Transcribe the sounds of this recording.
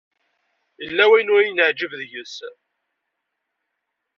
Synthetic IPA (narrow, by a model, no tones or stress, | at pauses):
jəlːæwæjnʊɾjənəʕd͡ʒəvðjəs